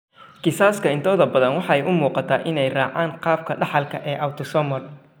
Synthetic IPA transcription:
kɪsaːskʰɐɪnt̪ʰɔːðɐbɐðɐnwɑħɑɛjʔʊmuːqɑt̪ʰaːʔɪnɛjrɑːʕaːɴqɑːb̚kʰɐɖɑħɑlkʰɐʔɛːʔɐwt̪ʰɔsɔmɔl

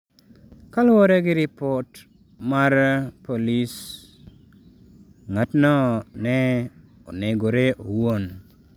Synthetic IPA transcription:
kalwoɾeɡɪɾipɔt | maɾpolis | ŋatnɔnɛ | o̰neɡoɾeʔowon

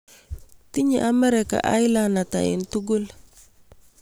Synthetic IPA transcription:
tiɲḭʔamɛɾɛka̰ʔajlanata̰ḭntuɡul

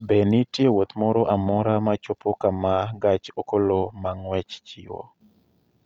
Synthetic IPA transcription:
benitjewot̪mɔɾoʔamɔɾamat͡ʃopokamaɡat͡ʃokolomaŋwɛt͡ʃt͡ʃiwo̰

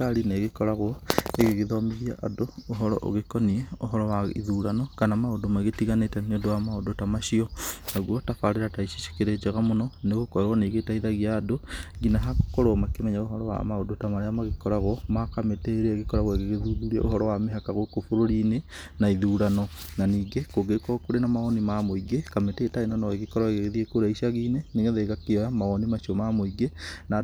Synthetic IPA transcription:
aɾineɣekɔɾaɣwɔeɣeɣeðɔmiðia̰ʔadooɦɔɾɔ̰ʔo̰ɣekɔnieo̰ɦɔɾɔwaiðuːɾanɔkanamaodomaɣetiɣanetɛneodowamaodotamaʃiɔnaɣwɔtafaɾeɾataiʃi̥ʃe̥keɾed͡ʒeɣamonɔneɣokɔeɾwɔneɣetaiðaɣiadoɡinaɦako̥koɾomakemɛɲaoɦɔɾɔwa̰maodotamaɾeamaɣekɔɾaɣɔmakameteɾeeɣekɔɾaɣweɣeɣeðuðuɾiḛʔo̰hɔɾɔwameɦakaɣokofoɾoɾine | naiðuɾanɔnaniːɡekoɡekɔɣkoɾenamaɔnimamoiɡekametetainanɔeɣekɔɾaɣeɣeɣeðiekoɾaiʃaɣiːneneŋeðeɣakeamaɔnimaʃiɔmamoiɡena

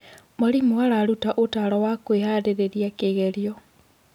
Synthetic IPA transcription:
moɾimwaɾaɾutaʔotaːɾɔwakwehaɾeɾeɾiakeɣɛɾiɔ

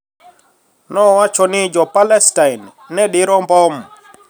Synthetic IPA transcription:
nɔwat͡ʃɔnɪd͡ʒɔpalɛstajnː | ɛɗɪɾɔmbɔm

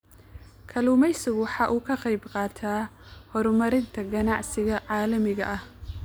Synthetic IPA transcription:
kʰɐluːmɛjsʊɣwɑħɑːʔuːkʰɐqɑjbqɑːt̪ʰaːhɔɾmɐɾɪnt̪ʰɐɡɐnɑʕsɪɣɐʕɑːlɐmɪɣɐ̰ʔɐh

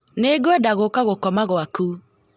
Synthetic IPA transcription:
neɡwɛdaɣokaɣokɔmaɣwaku

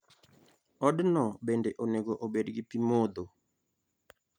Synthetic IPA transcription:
ɔdnɔbendeʔoneɡoʔobedɡɪpimod̪o

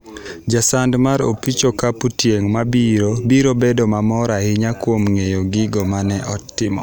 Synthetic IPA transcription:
d͡ʒasandmaɾo̰pit͡ʃokaputjeŋmabiɾobiɾobedomamɔɾahɪɲakwomŋejoɡɪɡomanɛʔɔtːɪmɔ̰

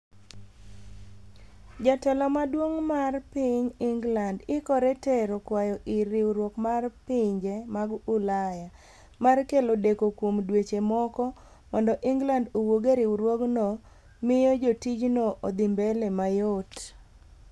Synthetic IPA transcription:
d͡ʒatɛlɔmadwoŋmarpɪɲɪŋɡlandɪkɔɾeteɾokwajɔʔɪɾɪwɾwokmarpɪɲd͡ʒemaɡʊlaja | markelodekokwomdwet͡ʃemɔkɔ | mɔndɔʔɪŋɡlandowoɡeɾɪwɾwoɡnɔ | mɪjod͡ʒotit͡ʃnoʔod̪ɪmbelemajot

